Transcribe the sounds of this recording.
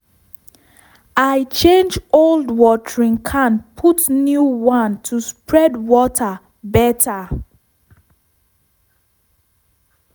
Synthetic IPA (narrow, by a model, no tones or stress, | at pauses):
aɪt͡ʃẽnd͡ʒoldwɔtɹĩŋkʰãnpʰutnjuwãntʰuspɹɛdwɔtʰa | bɛtʰa